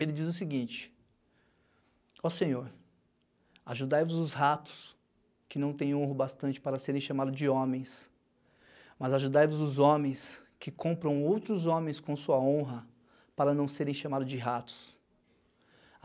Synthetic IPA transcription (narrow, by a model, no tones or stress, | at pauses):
elɪd͡ʒizʊsɪɡĩnt͡ʃɪ̥ | ɔsẽɲoɾ | aʒud̪ajvʊzʊzɦat̪ʊ̥s | kɪnɐ̃w̃t̪ẽj̃õɦʊbast̪ɐ̃nt͡ʃɪ̥paɾɐseɾẽj̃ʃamad̪ʊzd͡ʒɪõmẽj̃s | mɐzaʒud̪ajvʊzʊzõmẽj̃skɪkʰõpɾɐ̃w̃owt̪ɾʊzõmẽj̃skõsuɐõɦɐ | paɾɐnɐ̃w̃seɾẽj̃ʃamad̪ʊzd͡ʒɪɦat̪ʊ̥s